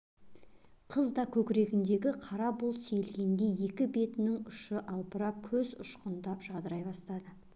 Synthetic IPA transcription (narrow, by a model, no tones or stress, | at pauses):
qʰəzd̪ɑkʲʰɵkʲɪɾe̞ɡʲɪnd̪e̞ɡʲɪqʰɑɾɑbʊlˠselɡʲe̞nd̪e̞je̞kʲɪbe̞t̪ɪnɪŋʏʃɪʔɑlˠpəɾɑp̚kʲʰɵzʊ̰ʃqənd̪ɑpʒ̥ɑd̪əɾɑjbɑst̪ɑd̪ə